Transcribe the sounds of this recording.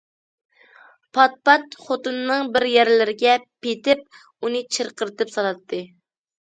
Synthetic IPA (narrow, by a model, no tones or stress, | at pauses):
pʰɑt̪̚pɑt̪χot̪ɨnːɨŋbɪɾjɛɾlɪɾɪɡʲɛpʰet̪ɪp̚ | unɨt͡ʃʰəɾqəɾɨt̪ɨpsɑlˠɑt̪ʰːɨ